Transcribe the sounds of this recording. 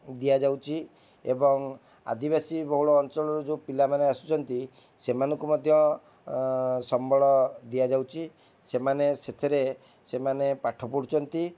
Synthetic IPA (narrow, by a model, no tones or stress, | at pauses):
d̪ijad͡ʒawt͡ʃʰi | ḛbɔŋ | a̰d̪ibasibɔɦuɭɔːnt͡ʃɔɭɔɾud͡ʒupilamaneasu̥t͡ʃʰɔnt̪i | semanɔŋkumɔd̪ʱjɔ | sɔmbɔɭɔd̪iad͡ʒawt͡ʃʰi | semaneset̪ʰeɾe | semanepaʈʰɔpuɽut͡ʃʰɔnt̪i